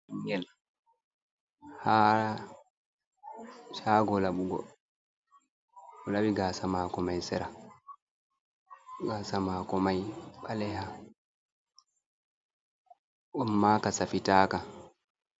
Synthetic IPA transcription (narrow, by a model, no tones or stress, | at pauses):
ŋɡɛl | haː | ʃaːɡɔlaɓuɡɔ̰ | ɔlaɓiɡaːsamaːkɔmajsɛɾa | ɡaːsamaːkɔmajɓalɛha | ʔɔmːaːkasafitaːka